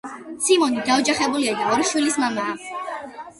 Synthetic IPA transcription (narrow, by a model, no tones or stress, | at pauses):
simɔnid̪aɔd͡ʒaχɛbuliad̪aɔɾʃwilismamaː